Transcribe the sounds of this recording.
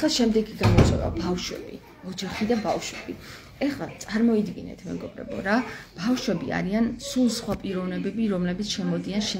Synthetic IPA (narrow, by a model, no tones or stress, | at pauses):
laʃɛmd̪ɛɡiɡamɔt̪sʼwɛ̰va̰bafʃwɛ̰bi | ɔd͡ʒaχid̪abafʃwɛb̥i | ɛχlˠat̪sʼaɾmɔid̪ɡinɛ̰t̪ʰmɛ̰ɡɔbɾɛ̰bɔ̰ɾab̥afʃwɛbia̰ɾiansulˠsχwapʼiɾɔvnɛbɛbiɾɔmlɛbit̪sʰʃɛmɔd̪ianʃɛ